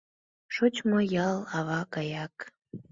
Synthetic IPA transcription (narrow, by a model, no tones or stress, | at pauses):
ʃot͡ɕmojɑlˠɑβɑkɑjɑk